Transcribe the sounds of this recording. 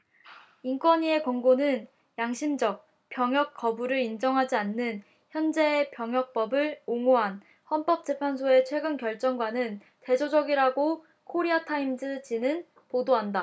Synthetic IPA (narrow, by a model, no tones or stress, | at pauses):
ink͈wʌɲie̞kwʌŋɡonɯn | jaŋɕʰimd͡ʑʌk̚ | p͈jʌŋɦjʌk̚k͈ʰʌbuɾɯɾind͡ʑʌŋɦad͡ʑianːɯn | çjʌnd͡ʑe̞ːpjʌŋɦjʌk̚p͈ʌbɯɭoŋoɦan | hʌnp͈ʌk̚t͡ɕ͈e̞pʰans̬ʰoe̞t͡ɕʰwe̞ɡɯnkjʌɭt͡ɕ͈ʌŋɡwanɯn | te̞d͡ʑod͡ʑʌɡiɾaɡo | kʰoɾiatʰaimd͡ʑɯd͡ʑinɯn | podoɦanda